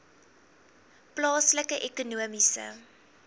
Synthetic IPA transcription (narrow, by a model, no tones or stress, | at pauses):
plɑːsləkəʔɛkunuəmisə̰